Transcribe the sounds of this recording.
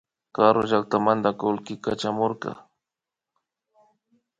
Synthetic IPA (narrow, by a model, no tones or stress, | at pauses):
kaɾo̰ʒak̚t̪amand̪akolkɪka̰t͡ʃamoɾkɑ̰